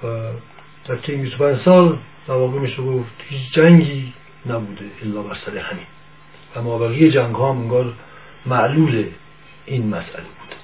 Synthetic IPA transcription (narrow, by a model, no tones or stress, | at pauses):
væ | d̪̥æɾt͡ʃʰejinbist̪opʰænd͡ʒsɒːl | d̪̥æɾvɒːɣemiːʃeɡoft̪hiːt͡ʃʰd͡ʒæŋɡiː | næbuːd̪eelːɒːbæɾsæɾehæmiːn | væmɒːbæɣijed͡ʒæŋɡhɒːmeŋɡɒːɾ | mæʔluːle | iːnmæsʔæ̰lebuːd̪̥